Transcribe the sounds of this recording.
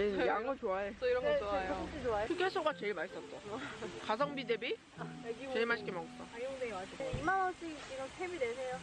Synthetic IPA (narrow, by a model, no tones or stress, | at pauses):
jaŋot͡ɕoaes͈ʌiɾʌnŋɡt͡ɕoajot͡ɕ͈it͡ɕoakʰɯkʰesʰoɡat͡ɕeiɭmaɕi̥s͈ʌt̚s͈ʌkas̬ʰʌŋbidebi | ɡit͡ɕeiɭmaɕʰi̥k͈emʌɡʌs͈ʌaoŋdeɡmaoimamas͈iikiɡʌntʰemidesʰe̞jo